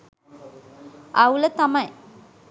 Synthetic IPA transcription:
ɐwlɐt̪ɐmɐj

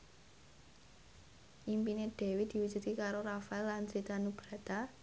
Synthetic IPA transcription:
ʔimpineɖ̪̥e̤wit̪̚d̪̥i̤wu̥d͡ʒ̥ṳt̪kikaɾoɾafaɛlːansɾit̪anub̥ɾa̤t̪a

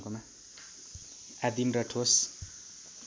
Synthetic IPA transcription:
koma | ad̪imɾʌʈʰos

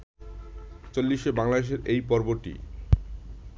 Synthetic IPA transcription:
t͡ɕolːiʃebaŋlad̪eʃ̬eɾejpɔɾoboɾʈḭ

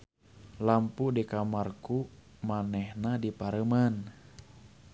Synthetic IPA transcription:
lampudikamarku | manɛhnadipaɾəman

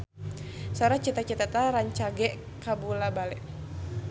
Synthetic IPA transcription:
saɾat͡ʃit̪at͡ʃit̪at̪aɾaɲt͡ʃaɡɛʔ | kabulabalɛ

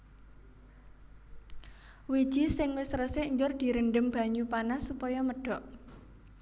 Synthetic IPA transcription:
wi̥ʒ̥isɪŋwɪsrəseɲd͡ʒʊrd̪̥i̤ɾənɖəmb̥a̤ɲupanasupɔjɔməɖ̥ɔ̤ʔ

